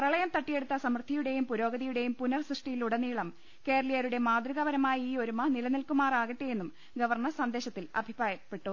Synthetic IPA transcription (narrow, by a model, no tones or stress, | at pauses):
prɐɭɐjɐmt̪ɐʈːije̞ɽut̪ːɐsɐmrt̪ːijuɽe̞jumpuɾo̞ːɡɐðijuɽe̞jumpunɐrsriʂʈijiluɽɐniːɭɐm | ke̞ːrɐlijɐɾuɽe̞maːd̪rɨɣɐʋɐɾɐmaːjiiːo̞ɾumɐnilɐnilkumaːraːɣiʈːeje̞nːum | ɡɐʋɐrɳɐrsɐnd̪e̞ːɕɐt̪ːilɐ̰bʱibraːjɐpːe̞ʈːu